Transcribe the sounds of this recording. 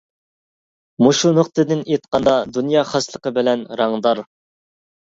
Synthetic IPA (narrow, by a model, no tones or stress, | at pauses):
muʃunʊqt̪ɨd̪ɪnet̪̚qɑnd̪ɑd̪unjɑːχɑslˠəqəbɪlɛnɾɑŋd̪ɑɾ